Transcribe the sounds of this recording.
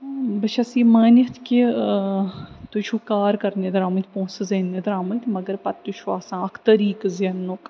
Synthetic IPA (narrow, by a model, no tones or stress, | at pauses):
bɐʃʰɐsiːmɐːnit̪ʰki | t̪ut͡ʃʰukaːɾkɐɾned̪ɐɾaːmɐt̪ʲpõːszeːnːed̪ɐɾaːmɐnt̪mɐɡəɾpɐt̪ːuʃʰuaːsãːɐkʰt̪ɐɾiːkzjɐnːok